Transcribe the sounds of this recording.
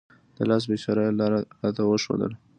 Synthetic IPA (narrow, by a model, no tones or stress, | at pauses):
d̪̥əlɑs̬bet͡ʃɑɾajlɑɾɑt̪awəʃo̰d̪ə̰l